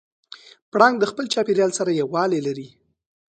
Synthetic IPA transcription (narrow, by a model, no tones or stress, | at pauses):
pɽɑŋɡ̚d̪əxpəlt͡ʃɑpeɾjɑlsaɾajawwɑlelaɾi